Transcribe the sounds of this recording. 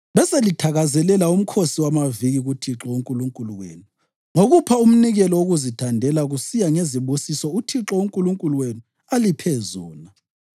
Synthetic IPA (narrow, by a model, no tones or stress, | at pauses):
βɛselitʰaɣazɛlɛlaum̩kʰosiwamaviɣiɣutʰiǁɔuŋkʼuluŋkʼuluwḛːnu | ŋoɣupʰaum̩niɣɛlɔoɣuzitʰandʱɛlaɣusijaŋeziβusisɔutʰiǁɔuŋkʼuluŋkʼuluwenu | alipʰɛzɔːna